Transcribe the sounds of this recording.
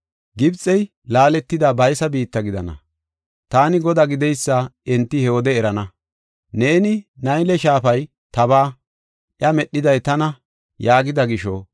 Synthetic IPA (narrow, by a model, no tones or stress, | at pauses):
ɡɪbt͡sʼɛj | laːlɛt̪ːɪd̪abɐjsɐbiːt̪ːɐɡɪd̪ɐnɐ̰ | t̪aːnɪɡɔd̪aɡɪd̪ɛjsːɐɛnt̪ːɪhɛwɔd̪ɛːɾɐnɐ | ne̞ːnɪnɐjlɛʃaːfɐj | t̪ɐbaː | ʔjɐmɛɗːɪd̪ɐjt̪ɐnɐ | jaːɡɪd̪ɐɡɪʃɔ